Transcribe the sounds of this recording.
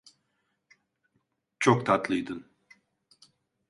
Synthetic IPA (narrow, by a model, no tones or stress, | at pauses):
t͡ʃʰokt̪ʰat̪lˠɯjd̪ɯn